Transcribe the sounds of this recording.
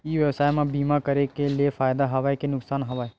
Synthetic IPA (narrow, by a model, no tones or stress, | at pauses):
iːʋjɐʋsaːjmãbiːmakɐɾekeliefaːjd̪aɦɐʋaːekenʊksaːnɦɐʋaːe